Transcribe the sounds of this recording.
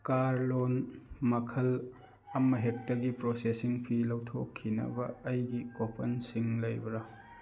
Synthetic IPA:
kaɾlonmɐkʰɐl | ɐmɐɦek̚tɐɡipɾosesiŋpʰilɐwtʰokʰːinɐ̰bɐːjɡikopʰɐnsiŋlɐjbɐɾɐ

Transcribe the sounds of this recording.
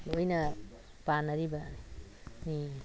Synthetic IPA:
lojna | panaɾiba | mi

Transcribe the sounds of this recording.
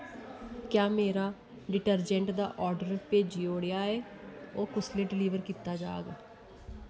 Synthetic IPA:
kjaːmeːɾaː | ɖɪʈəɾd͡ʒɛ̃ːɳʈd̪a̰ːʔɔːɾɖəɾpeːd͡ʒioːɽejaːɛː | oːkʊsleːɖɪliːʋəɾkiːt̪aːd͡ʒa̰ːɡː

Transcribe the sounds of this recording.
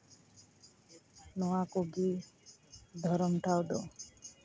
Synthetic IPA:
nɔwakoɡi | d̪ʱɔɾɔmʈ̪ʰawɖɔ

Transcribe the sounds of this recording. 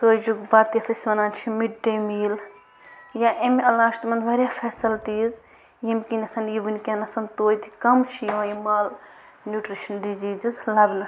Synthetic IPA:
t̪oːjd͡ʒuɡbɐt̪iɐt̪ʰɐsʲʋɐnaːnt͡ʃʰimiʈ̚ɖemiːl | jaʔemɐlaːʃt̪mɐnʋɐɾʲjafʰeːsɐlʈiːz | jimʲkinʲɐt̪ʰɐnjiʋunʲkʲɐnɐsɐnt̪oːjt̪ʰi̥kɐmt͡ʃʰijʋãjimaːl | nʲjuʈɾiʃɐnɖid͡ʒiːzizlɐbnɐ

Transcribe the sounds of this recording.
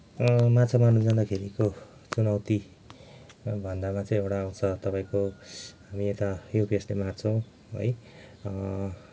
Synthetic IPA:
mat͡sʰamanud͡zand̪akʰeɾiko | t͡sunʌwt̪i | bʱʌnd̪amat͡sʌĩewʈaːw̃t͡sʰʌt̪ʌpaĩkoɦamiet̪ajopeslemat͡sʰʌw̃ | ɦʌ̰j

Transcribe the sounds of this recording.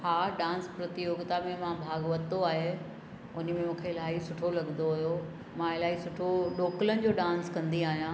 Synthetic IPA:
haːɖãːnspɾɐt̪ɪjoːɡt̪amẽmãbʱaːɡʋɐt̪oaːɦe | ʊnə̆mẽmũːkʰeɪlaːɦisʊʈʰolɐɠnd̪oɦʊɦjo | mãɪlaːɦisʊʈʰoɗoːklənɪ̆d͡ʑoːɖãːnskɐ̃nd̪iaːɦijã

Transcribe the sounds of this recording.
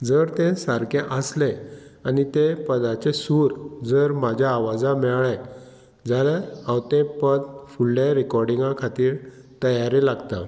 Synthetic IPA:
d͡zəɾt̪ẽsaɾkʰẽʔəsleanit̪epəd̪at͡ɕesuɾd͡zəɾmad͡ʑʱjaːʋad͡zãmɛɭɭa | d͡zʱalaawt̪ẽpəd̪fulːaɾikɔɾɖiŋɡakʰat̪iːɾ | t̪əjaɾilaɡt̪a̰

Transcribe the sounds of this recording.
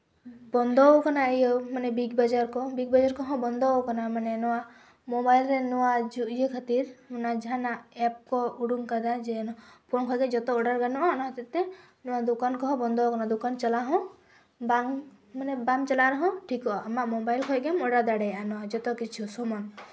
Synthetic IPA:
bɔnd̪ɔkanaejɔmanɛbiɡbad͡ʒaɾkɔbiɡ̚bɔd͡ʒaɾkɔɦɔ̃bɔnd̪ɔkanamanɛnɔwa | mɔbajlɾɛnɔwad͡ʒuʔijəkʰat̪iɾmanad͡ʒɦanaɛp̚kɔuɽuŋkad̪ad͡ʒɛnɔpɔnkʰɔjɡɛd͡ʒɔt̪ɔːɽaɾɡanuanɔɦɔ̃t̪ɛt̪ɛ | nɔwad̪ukankɔɦɔ̃bɔnd̪ɔkɔnad̪ukant͡ʃalaɦɔ̃ | baŋ | manɛbaŋt͡ʃalaɾɔɦɔ̃ʈʰikɔamaʔmobajlkʰɔjɡɛmɔɽad̪aɽajanɔad͡ʒɔt̪ɔkit͡ʃʰusɔmɔn

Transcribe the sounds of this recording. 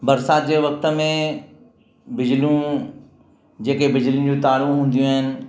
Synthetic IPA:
bɐɾsaːt̪̚d͡ʑeːʋɐk̚t̪ə̆mẽ | bɪd͡ʑlijũ | d͡ʑeːkebɪd͡ʑlijũn̆d͡ʑut̪aːɽũɦũːn̆d̪ijũɦɪnɪ̆

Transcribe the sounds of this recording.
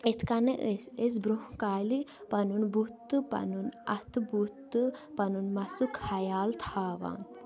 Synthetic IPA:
et̪ʰkɐneʔeses̬bɾuɦkaːlipɐnunbut̪ːɨpɐ̰nunɐ̰t̪ʰɨbut̪ːɨpɐnunmɐsukhɐjaːlt̪ʰaːʋa̰ːn

